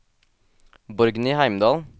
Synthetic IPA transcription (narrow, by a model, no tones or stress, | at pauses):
bɔɾɡniːhæɪmd̪ɑːl